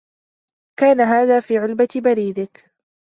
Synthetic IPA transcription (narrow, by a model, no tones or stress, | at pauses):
kaːnaɦaːðaːfiːʕʊlbabaɾiːd̪ɪk